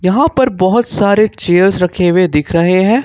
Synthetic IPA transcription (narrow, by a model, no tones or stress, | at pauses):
jɐɦãpɐɾbɔɦʊt̪saːɾet͡ʃeːəɾsɾɐkʰeːwed̪ɪkʰɾɐɦeɦɛ̃ː